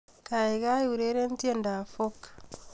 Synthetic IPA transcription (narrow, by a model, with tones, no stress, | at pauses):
ka˨e˨ɣa˦u˨ɾe˦ɾe˦n˦tje˦nda˨fo˦k